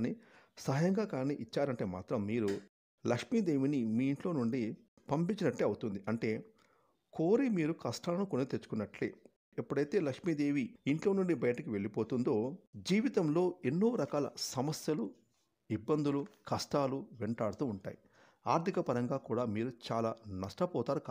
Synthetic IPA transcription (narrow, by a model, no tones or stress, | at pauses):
nisɐɦɐjɐŋɡaːkaːniʔit͡ʃːaːɾɐɳʈe̞ːma̰ːt̪ɾɐmːiːɾu | lɐkʂmiːd̪e̞ːʋinimiːɳʈlo̞ːnuɳɖi | pɐmpiɲt͡ʃːinɐʈːeːɐwut̪und̪iʔɐɳʈe̞ː | koːɾimiːɾukɐsʈaːlɐnukonet̪et͡ʃːu̥kunːɐʈlḛː | epːuɽɐjt̪e̞ːlɐkʂmiːd̪e̞ːʋiiɳʈlo̞ːnuɳɖibɐjɐʈɐkiʋe̞ɭipo̞ːt̪und̪o̞ːd͡ʒiːʋit̪ɐmlo̞ːe̞nːoːʋɾɐkaːlɐ̰sɐmɐsjɐlu | ibːɐnd̪ulukɐsʈaːluʋeɳʈaːɽɐt̪uːɳʈa̰ːji | aːɾt̪ʰikɐpɐɾɐŋɡaːkuːɽaːmiːɾut͡ʃaːlaːnɐʂʈɐpɔːt̪aːɾuka